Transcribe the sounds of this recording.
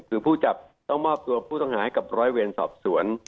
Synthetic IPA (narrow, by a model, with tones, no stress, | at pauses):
kʰɯː˩˦pʰuː˥˩t͡ɕa˨˩p̚ | t̪ɔ˥˩ŋmɔː˥˩p̚t̪u˧ɐpʰuː˥˩t̪ɔ˥˩ŋhaː˩˦ha˥˩jka˨˩p̚ɾɔː˨˦˥jwe˧nsɔ̰ː˨˩p̚su˩˦ən